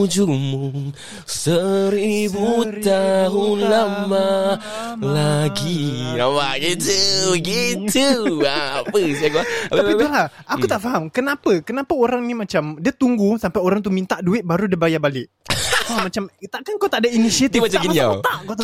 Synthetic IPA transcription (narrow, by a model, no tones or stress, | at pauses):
d͡ʒumuŋ | səɾibut̪aɦunlama | laɡiamaɡit̪uɡiuapəsajakuaaapit̪ulah | akut̪aʔfaɦamkənapəkənapaoɾaŋnimat͡ʃamdiat̪uŋɡusampajoɾaŋt̪umint̪aʔduɪt̪̚baɾudibajabalɪʔ | ammat͡ʃamt̪aʔkankawt̪aʔdainisiat̪ifmat͡ʃaɡimaniat̪akat̪a